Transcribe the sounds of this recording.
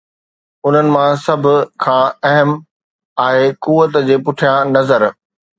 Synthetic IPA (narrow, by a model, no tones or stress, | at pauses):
ʊn̤ənɪ̆mãsɐbʱʊ̆kʰãːɐɦəm | aːɦekuːət̪d͡ʑeːpʊʈʰijãnɐzəɾ